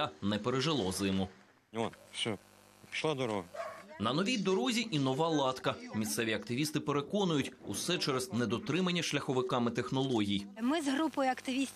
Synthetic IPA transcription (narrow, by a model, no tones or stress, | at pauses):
anɛpeɾeʒɪlˠɔzɪmʊ | ɔnʃɔ | pʲi̥ʃlˠad̪ɔɾɔɦɐnɐnɔʋʲijd̪ɔɾɔzʲiʔinɔʋɑlˠɑt̪kɐmʲist̪sɛʋʲiɐkt̪ɪʋʲist̪ɪpeɾe̞kɔnʊjʊtʲusɛt͡ʃɛɾeznɛd̪ɔt̪ɾɪmɐnʲːɐʃlʲɐxɔʋɪkɑmɪt̪e̞xnɔlˠɔɦʲijmɪzɦɾupɔjʊɐkt̪ɪʋʲisʲ